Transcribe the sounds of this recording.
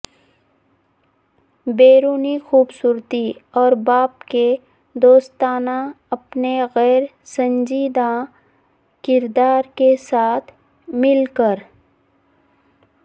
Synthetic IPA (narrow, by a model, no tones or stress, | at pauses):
beːɾuːnixuːbsuːɾt̪iɔːɾbaːpke | d̪oːst̪aːna | ɐpneɣɛːɾ | sə̃nd͡ʒiːd̪ã | kɪɾd̪aːɾkesaːt̪ʰ | mɪlkəɾ